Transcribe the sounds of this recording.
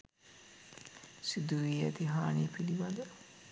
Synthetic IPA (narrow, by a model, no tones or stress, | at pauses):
sid̪uʋiːæt̪iɦaːniːpiliʋad̪ə